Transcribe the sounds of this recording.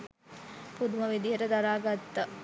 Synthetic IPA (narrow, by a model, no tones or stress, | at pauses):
pud̪umɐʋid̪iɦəʈəd̪aɾaːɡat̪ːɐ